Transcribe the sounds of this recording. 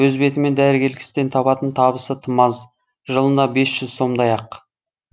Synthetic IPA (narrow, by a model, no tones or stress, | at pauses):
wɵzbe̞t̪ɪme̞nd̪æɾɪɡʲe̞lkʲɪ̥st̪e̞nt̪ʰɑpɑt̪ənt̪ʰɑβəsət̪ʰəmɑz | ʒəlˠənd̪ɑbe̞sʒʏzso̞md̪ɑjɑq